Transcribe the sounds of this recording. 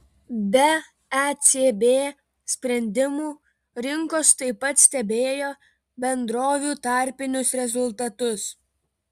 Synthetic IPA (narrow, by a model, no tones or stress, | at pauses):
bʲɛ | ɛsʲeːbʲeː | sʲpʲɾʲɛnʲd̪ʲɪmuː | ɾʲɪŋkoːst̪ɐɪpːɐt̪sʲt̪ʲɛbʲeːjoː | bʲɛnd̪ɾoːʋʲuːt̪ɑˑɾʲpʲɪnʲʊsɾʲɛzʊlˠt̪ɐt̪ʊs